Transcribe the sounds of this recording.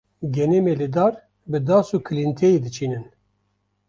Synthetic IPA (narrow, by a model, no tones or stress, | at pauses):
ɡʲɛnemelɨd̪ɑːɾ | bɨd̪ɑːsukʰɨlint̪ʰejid̪ɨt͡ʃʰiːnɨn